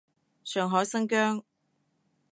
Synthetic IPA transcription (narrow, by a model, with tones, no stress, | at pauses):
sœː˨˩ŋɦɔː˨˥jsɐ˥ŋkœː˥ŋ